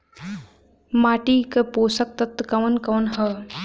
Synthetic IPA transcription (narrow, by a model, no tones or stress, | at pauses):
maːʈikəpoːsɐk̚t̪ɐt̪ːkɐʋɐnkɐːnɦɐ